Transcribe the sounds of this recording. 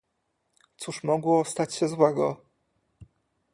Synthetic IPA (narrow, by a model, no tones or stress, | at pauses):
t̪suʂmɔɡwɔst̪at͡ɕɕɛzwɛɡɔ